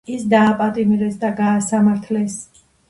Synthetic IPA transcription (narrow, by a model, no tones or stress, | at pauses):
isd̪aːpʼat̪ʼimɾɛsd̪aɡaːsamaɾt̪ʰlɛs